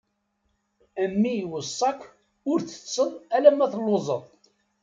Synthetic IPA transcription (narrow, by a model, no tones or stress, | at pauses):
əmːiwəsˤːɑkː | ʊɾθə̥sːəðˤælæmæθlːozˤəðˤ